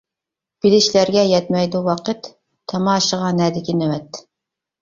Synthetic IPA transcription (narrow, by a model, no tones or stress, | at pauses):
b̥ɪlɪʃlæɾɡʲɛjɛt̪mɛjd̪uwɑqɨt̪ʰː | ɑmɑːʃəʁɑnɛd̪ɪkʲinewɛt̪ː